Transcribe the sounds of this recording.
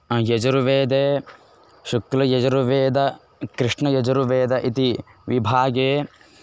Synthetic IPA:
jɐd͡ʒɐɾuʋeːd̪eː | ʃuklɐjɐd͡ʒɐɾuʋeːd̪ɐ | kɾɪʂɳɐjɐd͡ʒɐɾuʋeːd̪ɐʔit̪iʋibʱaːɡeː

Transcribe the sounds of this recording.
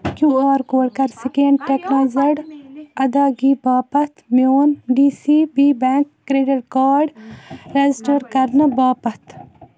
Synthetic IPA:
kjuːaːɾkoːɽkɐɾsɪkẽɳɖʈeknaːzɐɽɐd̪aːɡiːbaːpɐt̪mjoːnɖiːsiːbiːbɛ̃ːŋkːɾeːɖɪʈkaːɾɖɾed͡ʒɪsʈəɾkɐɾnəbaːpɐt̪ʰ

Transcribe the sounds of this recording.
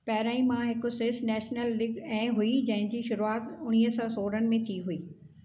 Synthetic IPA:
pɐɦɾaːĩmãɦɪkʊ̆sɪsnɛːʃnəlːɪɡɛ̃ːɦuid͡ʑɐ̃ɦɪ̃ɲd͡ʑiːʃʊɾuaːt̪ʊɽ̃iːɦsɔsoːɾənɪ̆mẽt̪ʰiɦuiː

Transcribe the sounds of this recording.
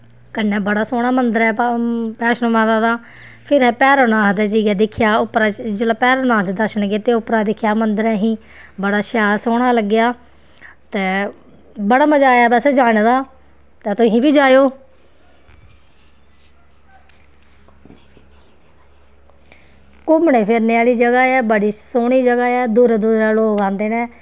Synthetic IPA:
kənːɛ̃ːbəɽaːsoːɽ̃aːmənd̪əɾɛːpɛːʃənmãːd̪aːd̪aː | pʰɪɾɦɛːpɛːɾoːnaːɦd̪ɛːd͡ʒiːɡɛːd̪ɪkʰɪjaːʊpɾaːd͡ʒəlaːpɛːɾoːnaːɦd̪eːd̪əɾʃənɡeːt̪eːʊpɾaːd̪ɪkʰjaːmənd̪əɾɛːɦĩː | bəɽaːʃaːlsoːɽ̃aːləɡːɪjaː | t̪ɛː | bəɽaːməd͡ʒaːjaːbəsd͡ʒaːɽ̃d̪aː | t̪ɛːt̪ʊɦĩːbiːd͡ʒaːjoː | kʊmɳẽːpʰɪɾneaːliːd͡ʒəɡaːɛːbəɽiːsoːɳiːd͡ʒəɡaːɛːd̪uːɾɛːd̪uːɾɛːloːkãːnd̪eːnɛ̃ː

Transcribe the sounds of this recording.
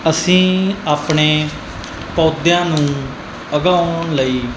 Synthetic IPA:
əsĩːaːpɳeː | pɔːd̪jãːnũː | əɡaːʊɳləiː

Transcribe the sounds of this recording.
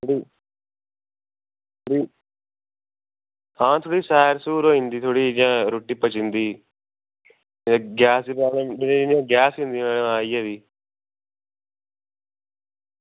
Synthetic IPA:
t̪ʰoɽiː | t̪ʰoɽiː | ãːt̪ʰoːɽiːsaːɾsuːɾoːɦĩnd̪iːt̪ʰoːɽiːd͡ʒãːɾoʈːiːpət͡ʃɪ̃nd̪iː | ɡaːsipaːleːmenjãːɡaːsɦĩnd̪ieːleãːijaːʋiː

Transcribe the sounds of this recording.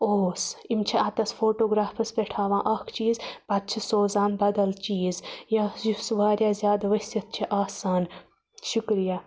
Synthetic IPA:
oːsimt͡ʃʰiat̪ɐsfʰoːʈoːɡɾaːpʰɐspeʈʰaːʋãːʔɐkʰt͡ʃiːzpɐt̪̚t͡ʃʰisoːzãːmbɐd̪ɐlt͡ʃiːzjajusʋaːɾʲjaːzʲjaːd̪ʋɐsjɐt̪̚t͡ʃʰiʔaːsaːn | ʃukɾija

